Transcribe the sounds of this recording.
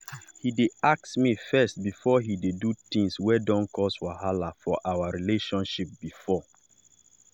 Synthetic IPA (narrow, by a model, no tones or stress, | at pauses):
hideak̚tmifɛst̚bifɔɦidedutĩŋswɛdɔ̃nkʰɔswaɦalafɔʔawaɹileʃɔ̃nʃip̚bifɔ